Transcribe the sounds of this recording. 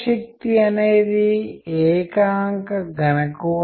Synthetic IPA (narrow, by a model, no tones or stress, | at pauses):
ʃɐk̚t̪iɐneːd̪iɛːkaːŋkɐɡɐnɐku